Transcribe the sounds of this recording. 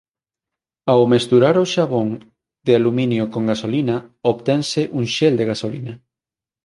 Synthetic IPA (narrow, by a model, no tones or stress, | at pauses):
awmest̪uɾaɾoʃaβ̞oŋ | d̪ealumĩnjʊkoŋɡasolinaoβt̪ɛŋseʔuŋʃeld̪eɣasolina